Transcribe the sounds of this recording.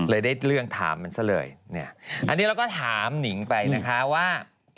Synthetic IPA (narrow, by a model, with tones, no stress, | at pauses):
lɤː˧jdaː˥˩jɾɯ˥˩əŋt̪ʰa̰ː˩˦mːa˧nsa˦˩lɤ̰ː˧jni˥˩ɐʔa˧nːiː˦˥ɾa˧wkɔː˥˩t̪ʰaː˩˦mni˩˦ŋpa˧jna˦˧˥kʰa˦˥waː˥˩